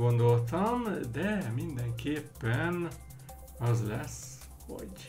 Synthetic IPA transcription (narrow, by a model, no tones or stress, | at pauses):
o̞nd̪o̞lt̪ɒmd̪ɛmind̪ɛŋkeːpːɛn | ɒzlɛs | ho̰ɟ